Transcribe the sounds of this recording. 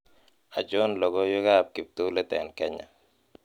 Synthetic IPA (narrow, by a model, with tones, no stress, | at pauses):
a˨d͡ʒʊ˦nlɔ˨ɡɔ˦jʊ˦ɡa˦p̚ki˨p̚t̪u˦lɛ˦tɛ˨nkɛ˦ɲa̰˨